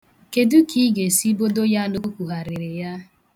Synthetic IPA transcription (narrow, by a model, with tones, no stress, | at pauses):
ke˨du˦ki˦ɡe˨si˦bo˦do˦ja˦nu˦kʷu˨ɦa˨ɾɪ˨ɾɪ˨ja˦